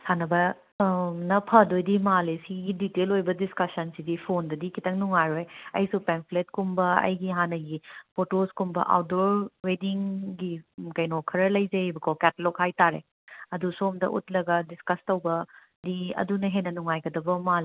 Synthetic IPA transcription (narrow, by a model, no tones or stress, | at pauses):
sanɐbɐ | nɐpʰɐdojdimalesiɡiditelojbɐdiskɐsɐnsidipʰondɐdikʰitɐŋnuŋajɾojɐ̰jsupenpʰlet̚kumbɐɐ̰jɡiɦanɐɡipʰotoskumbɐ̰ʔa̰wt̚doɾwediŋɡikɐjnokʰːɐɾɐlɐjzɐbɐkʰokɛtɐlokhajtaɾḛ | ɐdusomdɐ̰ʔṵtlɐɡɐdiskɐstɐwbɐ | diɐ̰dunɐɦenɐnuŋajɡɐdɐbɐmal